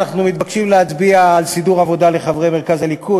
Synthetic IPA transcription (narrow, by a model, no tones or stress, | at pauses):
naχnumit̪̚bakʃimleat͡sbiaːlsid̪uʁavo̞dale̞χavʁejmeʁkazalikʰu